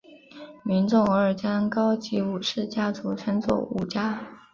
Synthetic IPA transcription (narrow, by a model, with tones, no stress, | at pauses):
mi˧˥nʈ͡ʂʊ˥˩ŋə˞˧˥˩t͡ɕjɑ˥ŋkɑ˥ʊt͡ɕi˧˥u˨˩ʂɻ̩˥˩t͡ɕja˥t͡su˧˥ʈ͡ʂʰə˥nt͡swɔ̰˨˩ṵ˨˩t͡ɕja˥